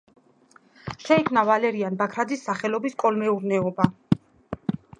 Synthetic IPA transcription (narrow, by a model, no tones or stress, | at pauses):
ʃɛikʰmnavalɛɾianbakʰɾad̪isːaχɛlɔbiskʼɔlmɛuɾnɛɔba